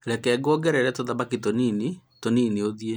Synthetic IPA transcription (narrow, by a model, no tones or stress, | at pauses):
ɾɛkɛɡɔɡɛɾɛɾɛtoðabakitoninitoninioðie